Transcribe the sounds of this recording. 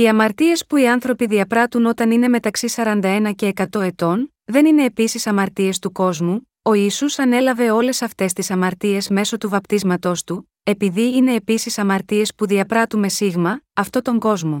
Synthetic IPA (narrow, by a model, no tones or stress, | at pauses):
iɐmɐɾt̪ie̞spuiɐnθɾo̞piðiɐpɾɐt̪uno̞t̪ɐnine̞me̞t̪ɐksisɐɾɐnd̪ɐe̞nɐce̞ːkɐt̪o̞e̞t̪o̞n | ðe̞nine̞ːpisisɐmɐɾt̪ie̞st̪uko̞zmu | o̞isusɐne̞lɐve̞o̞le̞sɐft̪e̞st̪isɐmɐɾt̪ie̞zme̞so̞t̪uvɐpt̪izmɐt̪o̞st̪u | e̞piðiine̞ːpisisɐmɐɾt̪ie̞spuðiɐpɾɐt̪ume̞siɣmɐːft̪o̞t̪o̞ŋɡo̞zmo̞